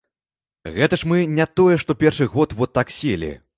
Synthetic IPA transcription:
ɣɛt̪ɐʂmɨnʲat̪ɔjɛʂt̪ɔpʲɛrʂɨɣɔt̪vɔt̪ːaksʲelʲḭ

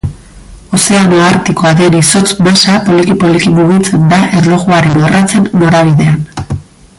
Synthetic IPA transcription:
o̞se̞anoaɾt̪iko̞aðe̞niso̞t͡smasapo̞likipolikimuɣit͡se̞nd̪aʔe̞ɾlo̞ɣuaɾe̞norʔat͡se̞nːoɾaβ̞iðe̞an

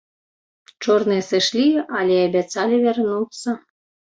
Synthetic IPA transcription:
t͡ʃorneseʃlʲiɑlʲeɑbʲæt͡sɑlʲeβʲernut͡sɤ̆

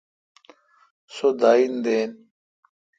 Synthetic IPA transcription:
sod̪aːind̪eːn

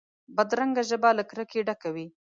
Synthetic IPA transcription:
bad̪ɾaŋɡaʒəbaləkɾəkeɖakawi

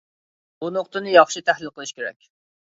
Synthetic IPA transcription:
bunoqt̪ɨnɨjɑχʃit̪ʰæhlɪlqəlˠɨʃkʲeɾɛ̰kʲ

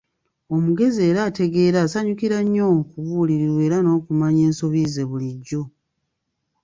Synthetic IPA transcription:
o̞muɡe̞zie̞ːɾaːte̞ɡe̞ːɾaːsaɲukiɾaɲːo̞kuβuːliɾiɾwe̞ːɾano̞ːkumaɲe̞ːnso̞βize̞βuliɟːo̞

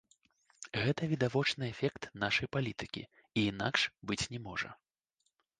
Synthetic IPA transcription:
ɣɛt̪ɐvʲid̪avɔt͡ʂnɨɛfʲɛkt̪naʂɐjpalʲit̪ɨkʲḭ | iːn̪a̰kʂbɨt͡sʲnʲɛmɔʐɐ̰

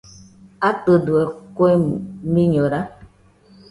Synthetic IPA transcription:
atəduɛkoemiɲoɾa

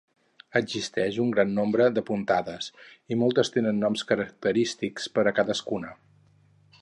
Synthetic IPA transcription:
əɡzist̪ɛʃuŋɡɾanːombɾəd̪əpunt̪aðəsimɔlˠt̪əst̪enənːɔmskəɾək̚t̪əɾist̪ikspəɾəkaðəskunə

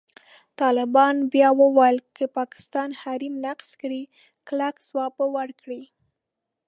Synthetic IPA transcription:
t̪ɑlɪbɑnbjɑwəwɑjəlkəpɑkɪ̥st̪ɑnhaɾimnaqskɽi | klakzwɑpəwaɾkɽi

